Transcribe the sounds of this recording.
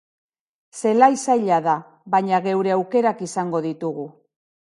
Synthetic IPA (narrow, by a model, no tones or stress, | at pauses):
se̞laisajʎaða | βaɲaɣe̞wɾe̞awke̞ɾakisaŋɡo̞ð̞it̪uɣu